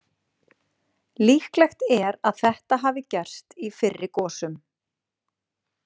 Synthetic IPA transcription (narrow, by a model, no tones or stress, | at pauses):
liːhklɛxt̪ɛɾaðθɛht̪aɦaːvɪcɛr̥st̪ifɪrːɪkɔːsʏm